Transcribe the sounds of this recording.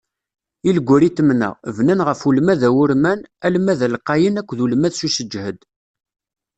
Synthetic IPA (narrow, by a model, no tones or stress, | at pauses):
iləɡʷʊɾit̪ːəmnə̰ʁvnænʁəfulmæðæwʊɾmænælmæðælqːɑjənækʷːðulmæðsusəd͡ʒhəd̪